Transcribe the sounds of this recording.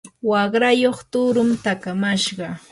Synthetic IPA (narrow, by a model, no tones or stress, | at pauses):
wɑχɾajoχt̪ʊɾʊmt̪akamaʃɢɑ